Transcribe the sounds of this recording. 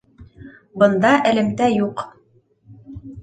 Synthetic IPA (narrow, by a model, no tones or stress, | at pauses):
bɤ̆nd̪ɑʔɘ̆lɘ̆mt̪æjuq